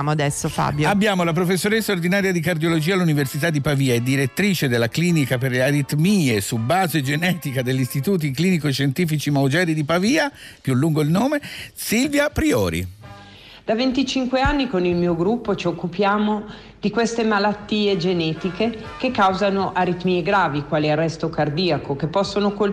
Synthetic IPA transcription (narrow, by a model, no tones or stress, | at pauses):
moad̪ɛsːofa̰ːbjabːjaːmolap̬ɾofesːoːɾesːaord̪inaːɾjad̪ikard̪jolod͡ʒiːalːuniversit̪ad̪ːipaviːaed̪ːiɾet̪ːɾiːt͡ʃed̪elːakliːnikaperleaɾit̪miːesubaːzed͡ʒenɛːt̪ikad̪eʎːist̪it̪uːt̪̬ikliːnikoeʃːent̪iːfit͡ʃimaud͡ʒɛːɾid̪ipaviːa | pjulːuŋɡoilnoːmesilvjapɾiɔ̰ːɾḭ | d̪̥avent̪it͡ʃiŋkweanːikonilmiːoɡɾupːot͡ʃiokːupjaːmo | d̪̥ikwest̪emalat̪ːiːed͡ʒenɛːt̪ike | kekːawzanoʔaɾit̪miːeɡɾaːvikwaːliarːɛst̪okard̪iːakokepːɔsːonokol